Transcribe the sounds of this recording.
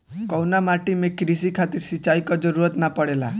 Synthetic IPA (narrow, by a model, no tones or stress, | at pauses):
kɔwnamaʈimekɾis̬ikʰat̪iɾsit͡ʃajkɔd͡ʒɔɾuɾɔt̪napɔɽela̰